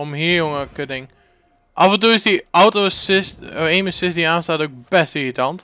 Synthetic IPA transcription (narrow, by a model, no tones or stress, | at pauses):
ɔmhiəjoŋəkədɪŋ | ʔɑfə̃nt̬uːɪsdiʔawtosɪsteːməsɪsdiaːnstaːtok̚bɛstivitɑnt